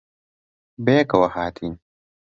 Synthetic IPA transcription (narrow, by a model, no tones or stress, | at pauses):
bejekɐwɐhaːt̪ʰiːn